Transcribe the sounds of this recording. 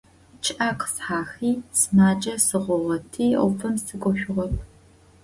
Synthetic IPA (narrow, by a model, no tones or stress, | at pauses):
t͡ʃʰʼʔaːqəsħaːxiːsmaːd͡ʒʼɐsɨʁʷɔʁɐtʰiːɔ̰fʰɐmsɨɡʷʼɔʃʷᶣʊʁɔp̚ʰ